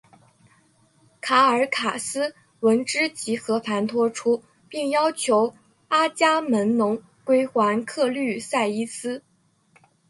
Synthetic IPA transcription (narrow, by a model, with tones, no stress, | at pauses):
kʰa˧˥ə˞˧˥kʰa˨˩sɹ̩˥ | wə˧˥nʈ͡ʂɻ̩˥t͡ɕi˧˥xɤ˧˥pʰa˧˥nt̪ʰwɔ˥ʈ͡ʂʰu˥ | pi˥˩ŋjɑ˥ʊt͡ɕʰjo˧˥ʊ | a˥t͡ɕja˥mə˧˥nnʊ˧˥ŋ | kwe˥ɪxwa˧˥nkʰɤ˥˧ly˥˩sa˥˩ɪi˥sɹ̩˥